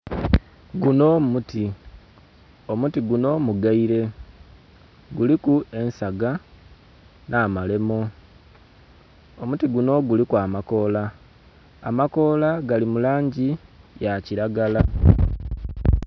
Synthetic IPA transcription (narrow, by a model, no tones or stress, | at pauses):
ɡuno̞muti | o̞mutiɡuno̞ːmuɡaiɾe̞ | ɡulikue̞nsaɡa | nʔaːmale̞mo̞ | omutiɡuno̞ɡulikwaːmako̞ːla | a̰mako̞ːlaɡalimulaːɲɟijaciɾaɡala